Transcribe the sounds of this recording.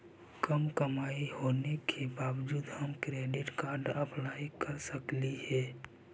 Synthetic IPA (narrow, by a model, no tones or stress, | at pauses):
kəmkəmaːihoːnekʰebaːwd͡ʒuːd̪həmkɾeːɖɪʈkaːɾɖəplaːjkəɾsəkliɦɛː